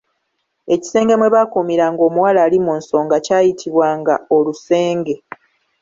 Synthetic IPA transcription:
e̞ci̥se̞ːŋɡe̞mwe̞βakumiɾaŋɡo̞ːmuwalaːlimuːnso̞ːŋɡacaːjitʰiβwaːŋɡao̞luse̞ːŋɡe̞

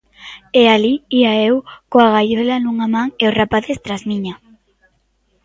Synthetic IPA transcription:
ealiiaewkoaɣajolanuŋamãŋeosrapaθest̪ɾazmĩɲa

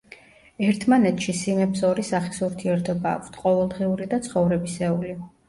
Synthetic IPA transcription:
ɛɾt̪ʰmanɛt̪ʰʃisimɛpsɔɾisaχisuɾt̪ʰiɛɾt̪ʰɔba̰ːkʷʰt̪ʰqʼɔvɛlˠd̪ʁiuɾid̪at̪sʰχɔvɾɛbisɛuli

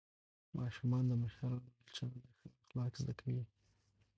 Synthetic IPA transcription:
mʔɑʃumɑnd̪əmaʃaɾɑnobalt͡ʃamanaxɪxlɑkzd̪akʰawi

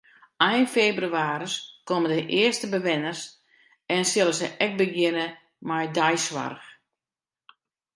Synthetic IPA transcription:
ajnfebryaːɾəskomədəʔɪəstəbəʋɪnərs | ɛnsɪləsəʔɛk̚bəɡjɪnə | majdajsʋa̰rx

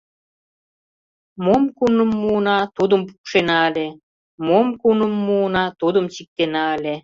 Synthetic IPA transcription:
momkunəmːuːnɑt̪ud̪əmp̬u̥kʃenɑəlʲe | momkunəmːuːnɑt̪ud̪əmt͡ɕik̚t̪enɑəlʲe

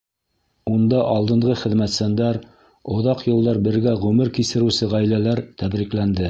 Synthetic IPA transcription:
und̪ɑʔɑlˠd̪ɤ̆ɴʁɤχɘ̆ðmæt̪sænd̪æɾ | ŏðɑqjŏlˠd̪ɑɾbɘ̆ɾɡæʁɵmɘɾkisɘ̆ɾɘ̆wsɘʁæjlælæɾt̪æbɾiklænd̪ɘ

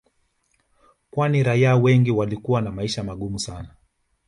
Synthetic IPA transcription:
kwaniɾaiawɛŋɡiwalikuwanamaiʃamaɠumusana

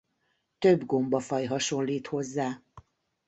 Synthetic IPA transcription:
t̪ø̞bɡo̞mbɒfɒjɦɒʃo̞lliːt̪ho̞zːaː

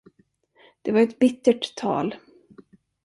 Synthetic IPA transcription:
d̪̥ɛvaɾɛt̪bɪt̪ːəʈʰːɑ̰ːl

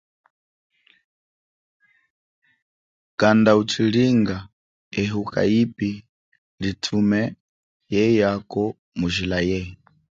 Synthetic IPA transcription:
kandaut͡ʃʰiliŋɡa | ɛɦukʰʼa̰ipi | litʰumɛ | jɛjakɔ | muʒilajɛ

